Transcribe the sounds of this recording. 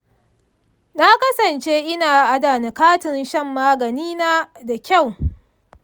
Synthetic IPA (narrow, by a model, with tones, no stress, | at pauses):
na˦kɐ˦sɐ˨nt͡ʃe˦ʔɪ˦naː˨ʔa˦daː˨na˨kaː˦tɪ˨nʃɐ˦mːaː˦ɡɐ˨niː˦naː˦da˨kʲa˦˨w